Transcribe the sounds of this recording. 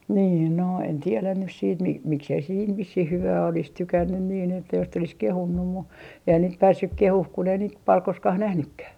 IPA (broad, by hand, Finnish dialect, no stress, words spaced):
niːn no en tielæn nys siːt mi miksei se siːn ʋisːih hyʋæː olis tykænːyn niːn etːæ jos sit olis kehunːum mu eihæn niːt pæːsːyk kehuh kun ei niːt pɑl koskɑh næhnykːæh